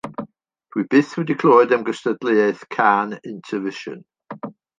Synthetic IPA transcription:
wib̥ɪθhədɪkʰl̥ɔɪd̪ə̃mɡəstədliɛθkʰanɪ̃ntʰəvɪʃə̰̃n

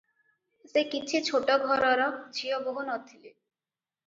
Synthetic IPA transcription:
sekit͡ɕʰet͡ɕʰoʈɔɡʱɔɾɔɾɔd͡ʑʰʱiɔboɦonɔt̪ʰːile

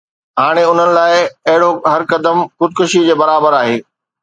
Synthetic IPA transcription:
ɦaːɽ̃eʊn̤ənɪ̆laːɪɐɦɪɽoɦɐɾkɐd̪əmxʊd̪̚kʊʃid͡ʑeːbɐɾaːbəɾaːɦeː

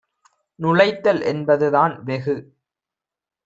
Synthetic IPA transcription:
nʊɻɐɪt̪ːɐlʔɛnbɐðɯðaːnʋɛɣɯ

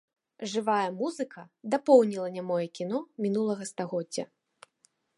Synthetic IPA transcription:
ʐɨvajɐmuzɨkʰɐd̪apɔwnʲilˠɐnʲamɔjɛkʲin̪ɔmʲinulˠɐɣɐst̪aɣɔdd͡zʲːɐ̰

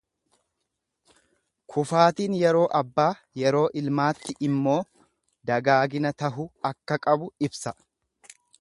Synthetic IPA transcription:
kʰʊfaːt̪iːnjɛɾo̞ːʔɐbːaː | jɛɾo̞ːʔɪlmaːt̪ːɪʔɪmːo̞ː | d̪ɐɡaːɡɪnɐt̪ɐɦʊɐkːɐkʼɐbʊɪbsɐ

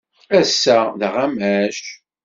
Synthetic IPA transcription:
æsːæðəʁæmæʃ

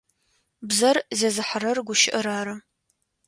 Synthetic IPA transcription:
bzɐrzeːzɨħəɾɐrɡʷʊʃɪʔɐɾaːɾɐ

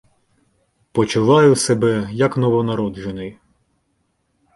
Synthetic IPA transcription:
pɔt͡ʃʊʋˠɑjʊsebɛjɐknɔʋɔnɐɾɔd̪ʒʊnɪj

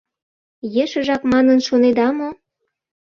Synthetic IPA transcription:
jeʃə̆ʒɑkmɑnənʃoned̪ɑmo

